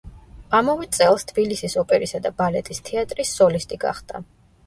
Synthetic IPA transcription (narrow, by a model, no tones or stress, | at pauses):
amɔvɛd̪t̪sʼɛlˠst̪ʰb̥ilisisɔpʼɛɾisad̪abalɛt̪ʼist̪ʰɛat̪ʼɾisːɔlist̪ʼiɡa̰χd̪a̰